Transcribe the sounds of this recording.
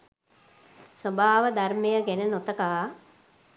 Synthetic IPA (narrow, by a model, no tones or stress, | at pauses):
sobaːʋəd̪armejəɡɛnənot̪əkaː